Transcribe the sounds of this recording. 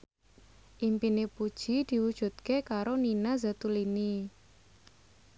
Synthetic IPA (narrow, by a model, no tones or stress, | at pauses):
ʔimpinepud̥ʒ̥id̪̥i̤wud̥ʒ̥ṳt̪̚kekaɾoninazat̪ulini